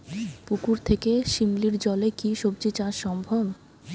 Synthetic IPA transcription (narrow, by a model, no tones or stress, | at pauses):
pukuɾt̪ʰekeʃimliɾd͡ʑɔlekiʃob̚d͡ʑit͡ɕãʃɔmbʱɔb